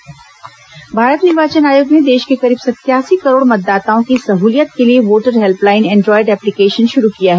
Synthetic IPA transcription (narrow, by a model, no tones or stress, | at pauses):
bʱaːɾət̪nɪɾʋaːt͡ʃənaːjoːɡned̪eːʃkekɐɾiːbsɐt̪jaːsikɐɾoːɽmɐt̪̚d̪aːt̪aːõkisɐɦuːlijət̪̚kelieʋoːʈəɾɦɛlplaːɪnɛ̃ːɳɖɾɔːɪɖɛːplɪkeːʃənʃʊɾukijaɦɛː